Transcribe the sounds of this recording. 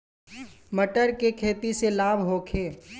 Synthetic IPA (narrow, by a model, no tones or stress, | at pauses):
məʈəɾkekʰeːt̪iselaːbʱɦoːkʰeː